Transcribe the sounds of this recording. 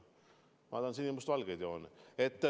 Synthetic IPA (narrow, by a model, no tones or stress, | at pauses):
mɑd̪ɑnsinʲːimust̪vɑlɡed̪joːnet̪ː